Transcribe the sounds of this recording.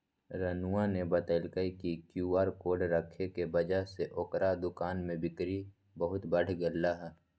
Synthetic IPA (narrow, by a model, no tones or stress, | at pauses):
ɾənuãnebət̪əɪlkəikikjuːaːɾkoːɾɖɾəkʰːekebəd͡ʒaɦseʔoːkɾad̪ʊkaːnmẽbɪkɾi | bəɦʊt̪bəɽ̤ɡəlːaɦɛː